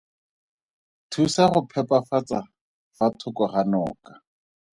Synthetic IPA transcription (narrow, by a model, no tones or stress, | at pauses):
tʰusaχʊpʰɛpafat͡sa | fatʰʊkɔχanɔ̰ːkḁ